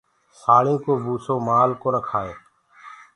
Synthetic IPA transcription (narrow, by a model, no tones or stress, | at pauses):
saːɭĩːkoːbuːsoːmaːlkoːnəkʰaːeː